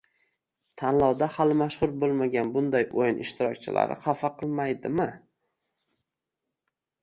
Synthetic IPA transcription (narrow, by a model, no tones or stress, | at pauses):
t̪ʰanlˠɒwd̪ahalɪmaʃhʊɾbolˠmaɡʲanbʊnd̪ajʔojnɪ̰ʃt̪ʰɪɾɒ̰k̚ʲt͡ʃʰɪla̰ɾɪ̰qʰɑfɑqʰɨlˠmajd̪ɪmɪ